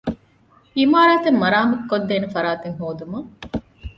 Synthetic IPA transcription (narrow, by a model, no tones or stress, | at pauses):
imaːɾaːt̪emːɐɾaːmɐkːod̪ːeːnefɐɾaːt̪eŋɦoːd̪umɐ